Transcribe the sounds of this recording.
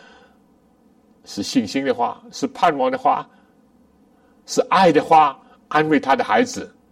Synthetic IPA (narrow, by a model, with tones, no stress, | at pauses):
ʂɻ̩˥˨ɕi˥˨ŋɕi˥˦ŋd̪ə˨xwa̰˥˩ʂɻ̩˥˧pʰa˥˨nmɑ˧˦ŋd̪ə˨xwa̰˥˨ | ʂɻ̩˥˧ʔa˥˨ɪd̪ə˨xwa˥˩ | ʔa˥˧nwe˥˧ɪt̪ʰa˦d̪ə˨xa˧˥ɪd͡zɹ̩˨˩